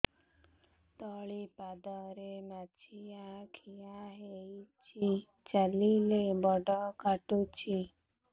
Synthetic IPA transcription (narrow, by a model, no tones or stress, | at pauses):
t̪ɔɭipad̪ɔɾemat͡ʃʰiakʰijaɦeit͡ʃʰi | t͡ʃalilebɔɖɔkaʈut͡ʃʰi